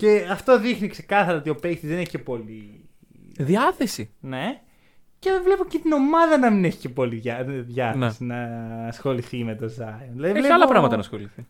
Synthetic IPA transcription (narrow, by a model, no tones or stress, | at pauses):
ce̞ɐft̪o̞ðixnikse̞kɐθɐɾɐo̞t̪io̞pe̞jst̪izðeneçice̞po̞li | ðiɐθe̞sine̞ | cevlepo̞cet̪ino̞mɐðɐnɐmineçi̥ce̞po̞liʝɐðʝɐθɐsinɐːsxo̞liθime̞t̪o̞zɐjonðilɐðieleɐlɐpɾɐmɐt̪ɐnɐsxo̞liθi